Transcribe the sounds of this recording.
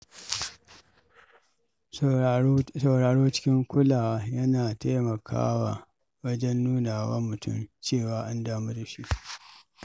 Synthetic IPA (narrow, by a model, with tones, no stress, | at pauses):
sɐ˨wɽaː˨ɽoː˦t͡ʃɪ̥˦kʲɪ˦ŋkʷʊ˦laː˨wa˦jɐ˦naː˨ta˦jmɐ˨kʰa̰ː˦wa̰˨ | wɐ˦d͡ʒɛ˦nːuː˦naː˨wa̰˦mʊ˨tʊ̰˦˨mt͡ʃeː˦˨waː˦ʔa˦ndaː˦mu˦da˨ʃi˦ʔ